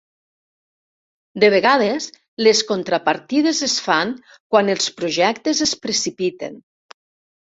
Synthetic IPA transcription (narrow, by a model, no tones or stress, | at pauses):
d̪eβ̞eɣað̞es | leskont̪ɾapaɾt̪ið̞ezesfaŋ | kwanelˠspɾoʒɛkt̪ezespɾesipit̪ḛn